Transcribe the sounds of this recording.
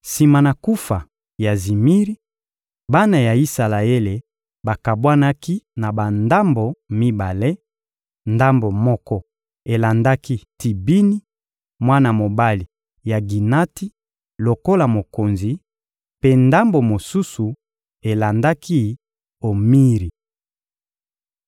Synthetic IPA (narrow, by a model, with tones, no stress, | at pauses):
si˨ma˨na˨ku˦fa˨ | ja˨zi˨mi˦ʁi˦ | ba˦na˨ja˨i˦sa˨la˨e˦le˨ | ba˨ka˨bwa˦na˦ki˦na˨ba˨nda˦mbo˨mi˦ba˨le˦ | nda˦mbo˨mɔ˦kɔ˦ | e˨la˨nda˦ki˦ti˨bi˦ni˦ | mwa˦na˨mo˨ba˦li˨ | ja˨ɡi˨na˦ti˦ | lo˨ko˦la˨mo˨ko˨nzi˨˦ | pe˦nda˦mbo˨mo˨su˦su˨ | e˨la˨nda˦kʰi˦ | o˨mi˦ʁi˨